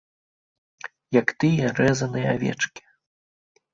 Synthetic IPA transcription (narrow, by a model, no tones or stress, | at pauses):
jɐkt̪ɨjɛrɛzɐnɨjɛavʲɛ̰t͡ʂkʲi̥